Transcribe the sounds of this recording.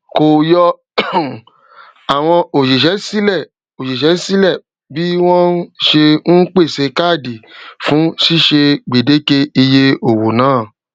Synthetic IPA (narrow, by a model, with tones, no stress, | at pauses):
ko˨jɔ˧ | a˨w̃ɔ̃˧o˨ʃe˨ʃɛ˨˦si˦lɛ˦˨ | o˨ʃe˨ʃɛ˨˦si˦lɛ˦˨ | bi˨˦w̃ɔ̃˦n˦ʃe˧n̩˦k͡pe˦˨se˧˦ka˦˨di˨fũ˨˦ʃi˦˨ʃe˧ɡ͡be˨de˨˦ke˧i˧je˧o˨wo˨nãː˨˦˨